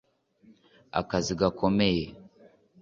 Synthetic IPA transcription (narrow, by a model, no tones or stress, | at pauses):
a̰kaziɡakomeje